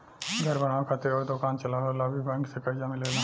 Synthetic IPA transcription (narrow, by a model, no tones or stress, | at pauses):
ɡʱɐɾbəɽ̃akʰat̪eɔɾd̪okaːnt͡ʃɐlaɦolabʱibɛ̃ːŋksekɐd͡ʒamɪlela